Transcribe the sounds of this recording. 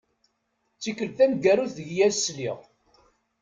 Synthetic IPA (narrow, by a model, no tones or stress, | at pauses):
t͡sːikəlθænɡæɾuθðəʝjæzsliʁ